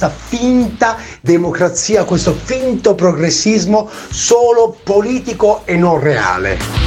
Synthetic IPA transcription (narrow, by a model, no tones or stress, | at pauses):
t̪afint̪a | d̪emokɾat̪siːakwest̪ofint̪opɾoɡɾesːizmo | soːlopoliːt̪ikoenːɔnrea̰ːlḛ